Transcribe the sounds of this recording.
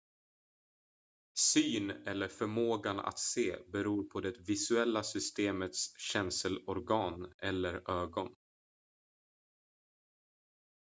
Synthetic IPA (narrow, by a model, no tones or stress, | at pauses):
syːnɛlːəɾfœɾmoːɡana̰t̪seːbɛɾuːɾpʰɔd̪ɛt̪vɪsɵɛlːasʏst̪eːmət̪sɕɛnsəlɔɾɡɑːnɛlːəɾøːɡɔn